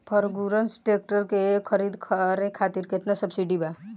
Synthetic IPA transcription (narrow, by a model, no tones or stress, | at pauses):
pʰəɾɡuɾənsʈek̚ʈəɾkekʰəɾid̪kʰəɾekʰat̪iɾkɪt̪nasəbsiɖiba